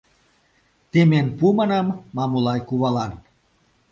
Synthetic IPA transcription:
t̪emenpumɑnɑmːɑmulɑjkuβɑlɑn

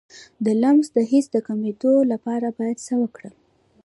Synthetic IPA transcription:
d̪əlamzd̪əɦisd̪əkamed̪olapɑɾabɑjad̪səwəkɽə

